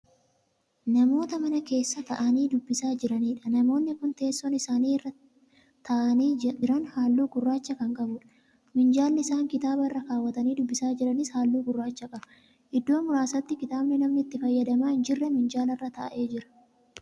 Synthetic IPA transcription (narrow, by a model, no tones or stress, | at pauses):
nɐmo̞ːt̪ɐmɐnɐke̞ːsːɐt̪ɐʔɐniːd̪ʊbːɪsaːd͡ʒɪɾɐniːᶑɐnɐmo̞ːnːɪkʊnt̪e̞ːsːɔnɪsaːniːrːɐ | t̪ɐʔɐniːɪɾɐnhaːlːuːɡʊrːaːt͡ʃːɐkɐŋkʼɐbʊːᶑɐ̥ | mɪnd͡ʒaːlnɪɪsaːŋkɪt̪aːbɐɪrːɐkaːwːɐt̪ɐniːd̪ʊbːɪsaːd͡ʒɪɾɐnɪshaːlːuːɡʊrːaːt͡ʃːɐkʼɐbɐ | ʔɪd̪ːo̞ːmʊɾaːsɐt̪ːɪkɪt̪aːbnɪnɐmnɪt̪ːɪfɐjːɐd̪ɐmaːɪnd͡ʒɪrːɛmɪnd͡ʒaːlɐrːɐt̪ɐʔʔe̞ːd͡ʒɪɾɐ̥